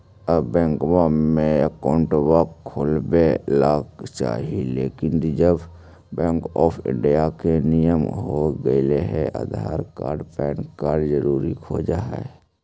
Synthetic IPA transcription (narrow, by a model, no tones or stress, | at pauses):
əbɛ̃ːŋkbamẽəkaʊɳʈwaːkʰːoːlbelaːkt͡ʃa̰ːɦileːkɪnd͡ʒəb | bɛ̃ːŋkɔːpʰɪ̰̃ɳɖijakenijəmɦoɡəileɦɛʔa̰d̪ʱa̰ːɾka̰ːɾɖpɛːnkaːɾɖzəɾuːɾikʰoːd͡ʒaɦɛ̰